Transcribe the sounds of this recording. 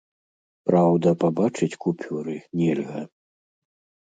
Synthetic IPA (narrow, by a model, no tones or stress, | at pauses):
pɾawd̪ɐpabat͡ʂɨt͡sʲkupʲuɾɨnʲɛlʲɣɐ